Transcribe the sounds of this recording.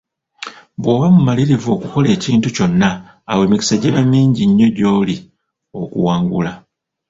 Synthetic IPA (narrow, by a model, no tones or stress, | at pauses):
βwo̞ːβamumaliɾivuo̞kuko̞le̞ːciːntuco̞nːaː | we̞ːmiki̥saɟeβamːiːɲɟiɲːo̞ɟo̞ːli | o̞kṵwaːŋɡula